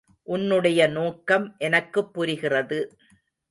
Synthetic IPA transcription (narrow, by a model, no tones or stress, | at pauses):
ʔʊnːɯɽɐjɐnoːkːɐmʔɛnɐkːɯpːʊɾɪɣɪrɐðɯ